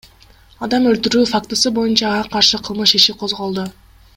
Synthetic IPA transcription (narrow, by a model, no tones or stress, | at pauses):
ɑd̪ɑmø̞lt̪yɾyːfakt̪ɨsɯbo̞junt͡ʃɑːʁɑqʰɑɾʃɯqʰɯlˠmɯʃiʃiqʰo̞zʁo̞lˠd̪u